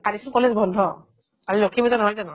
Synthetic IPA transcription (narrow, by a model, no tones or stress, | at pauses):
kalisɔnkɔlezbʱɔndʱɔ | kalilokʰibɔzanɔɦajzanɔ